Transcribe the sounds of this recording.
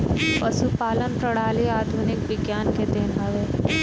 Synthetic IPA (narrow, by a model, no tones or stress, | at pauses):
pəsupaːlənpɾəɽ̤aːliaːd̪ʱunɪkʋɪɡjaːnked̪eːnɦɐʋeː